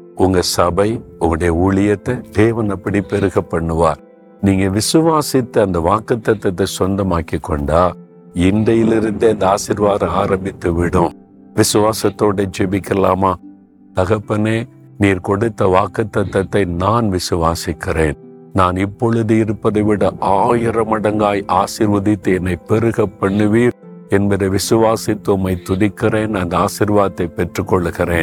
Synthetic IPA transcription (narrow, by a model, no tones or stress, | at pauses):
ʊŋɡɐsɐbɐɪʊŋɡɐɽɐjɐuːɭɪjɐt̪ːɐd̪eːʋɐnɐpːɐɽipɛɾɯɣɐpːɐɳːɯʋaːɾ | niːŋɡɐʋɪsɯʋaːsɪt̪ːɯɐnd̪ɐʋaːkɐt̪ːɐt̪ːɐt̪ːɐɪsɔnd̪ɐmaːkikːɔɳɖaː | ɪndɐjɪlɪɾɯnd̪ɯɐnd̪ɐaːsɪɾʋaːɾɐaːɾɐmbɪt̪ːɯʋɪɽɯ̃ | ʋɪsɯʋaːsɐt̪ːoːɽɐɪd͡ʒɛbɪkːɪɐlaːmaː | t̪ɐɣɐpːɐneː | niːɾkɔɽɯt̪ːɐʋaːkːɐt̪ːɐt̪ːɐt̪ːɐɪnaːnʋɪsɯʋaːsɪkːɪreːn | naːnɪpːɔɻɯðɯɪɾɯpːɐðɐɪʋɪɽɐʔaːjɪɾɐmɐɽɐŋɡaːjʔaːsɪɾʋɐðɪt̪ːɯɛnːɐɪpɛɾɯɣɐpːɐɳːɯʋiːɾ | ɛnbɐðɐʋɪsɯʋaːsɪt̪ːʊmɐɪt̪ːʊɽɪkːɪreːnɐnd̪ɐaːsɪɾʋaːt̪ːɐɪpɛʈrɯkːɔɭːɯɣɪreːn